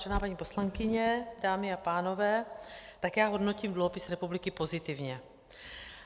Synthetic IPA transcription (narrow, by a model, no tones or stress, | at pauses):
ʒɛnaːpaɲiːpo̞slaŋkɪɲɛdaːmɪapaːno̞vɛːt̪akjaːɦo̞dnociːmdluɦo̞pɪsɾɛpublɪkɪpo̞zɪt̪ɪvɲɛ